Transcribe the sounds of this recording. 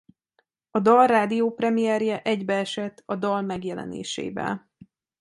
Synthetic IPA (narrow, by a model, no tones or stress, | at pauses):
ɒd̪ɒlraːd̪ijoːprɛmijɛrjɛʔɛɟbɛɛʃɛt̪ːɒd̪ɒlmɛɡjɛlɛ̰nḛːʃḛːvɛ̰l